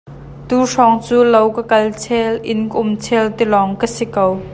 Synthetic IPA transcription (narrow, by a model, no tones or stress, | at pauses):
t̪uːʂɔŋt͡suːlowkəkɐlt͡sʰɛlʔɪ̰nkəʔʊmt͡sʰɛlt̪ilɔŋkəsikow